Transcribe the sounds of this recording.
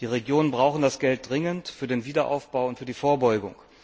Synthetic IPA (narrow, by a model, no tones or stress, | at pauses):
d̥iːʁeɡjoːnənbʁaʊxn̩dasɡ̥ɛlt̚d̥ʁɪŋəntfyːɐdeːnviːdɐʔa̰ʊfb̥aʊʊntfyːɐdiːfoːɐbɔʏɡʊŋ